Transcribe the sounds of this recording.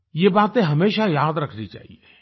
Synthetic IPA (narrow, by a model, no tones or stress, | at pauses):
jebaːt̪ẽɦɐmeːʃajaːd̪ɾɐkʰnit͡ʃa̰ːɦḭe